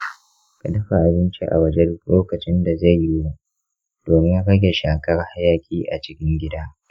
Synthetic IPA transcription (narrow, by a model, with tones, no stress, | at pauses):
ka˨dɐ˦ɸa˨ʔa˨bɪ˦nt͡ʃḭ˦ʔa̰˨wɐ˦d͡ʒɛ˦rloː˦kɐ˨t͡ʃɪ˦nda˨za˦˨jːɪ˦wu˦ | d̥oː˨mɪ˦ŋ˦ɽɐ˦ɡʲe˨ʃaː˨kɐ˦ɽa˦ha˦jaː˨kʲʼiː˦ʔa˨t͡ʃɪ˦kʲɪ˦ŋɡʲɪ˦da˦